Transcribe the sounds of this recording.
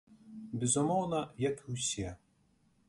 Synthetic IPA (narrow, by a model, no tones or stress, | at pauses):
bʲɛzʊmɔwnɐjɐkɨwsʲɛ